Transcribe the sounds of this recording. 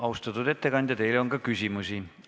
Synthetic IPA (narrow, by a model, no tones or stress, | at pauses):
ɑwst̪ɑt̪ːud̪̥e̞t̪ːe̞kɑnʲd̪̥ʲjɑt̪e̞jleo̞ŋkɑkysʲimusi